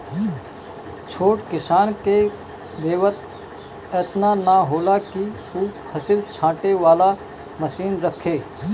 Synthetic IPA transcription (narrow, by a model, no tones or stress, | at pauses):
t͡ʃʰoːʈkɪsaːnke | d̪eːʋət̪̚ | ɛːt̪nanaɦoːlaki | uːpʰəsɪlt͡ʃʰãːʈeʋaːla | məsiːnɾəkʰːeː